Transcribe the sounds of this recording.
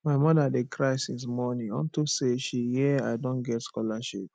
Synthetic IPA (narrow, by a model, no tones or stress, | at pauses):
maɪmɔdadekʰɹaɪsismɔnĩɔ̰̃ntuseʃihiaɪdõnɡɛtskɔlaʃḭp̚